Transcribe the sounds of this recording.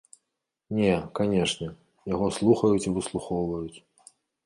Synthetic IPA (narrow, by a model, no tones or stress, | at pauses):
nʲɛkanʲɛʂnʲɛ | jaɣɔslˠuxɐjut͡sʲivɨslˠuxɔwvɐjut͡sʲ